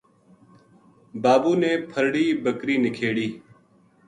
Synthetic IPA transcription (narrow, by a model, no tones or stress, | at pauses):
baːbuːneːpʰəɾɽiːbəkɾiːnɪkʰeːɽiː